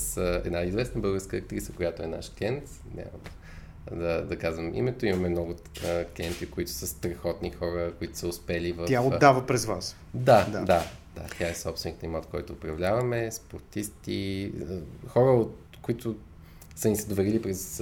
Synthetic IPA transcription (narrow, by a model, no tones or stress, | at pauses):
sɛ̰d̪naizvɛsnəbɤlˠɡəɾskəːk̚t̪ɾisəkojat̪oɛna̰ʃkʲɛnt̪ | nʲa̰mɐ̰mɛ | d̪ɐd̪ɐkazvəmḭmɛt̪oimɐmɛmnɔɡʊ | klʲiɛnt̪ikoit̪ʊ̥səst̪ɾɛxɔt̪nixɔɾəkoit̪ʊ̥səʊspɛlivəaoavəpɾɛzvas | d̪ad̪ad̪a̰t̪jaɛsɔpst̪vɛnikt̪imɔt̪kɔjt̪ʊːpɾɐvlʲavɐmɛspoɾt̪ist̪iəxɔɾəot̪ | koit̪ʊ | sənisəd̪ovɛɾilipɾɛs